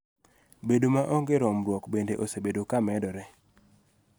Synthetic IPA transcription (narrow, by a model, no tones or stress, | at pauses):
bedomaʔɔɡɪɾɔmɾwɔkbendeʔosebedokamɛdɔɾɛ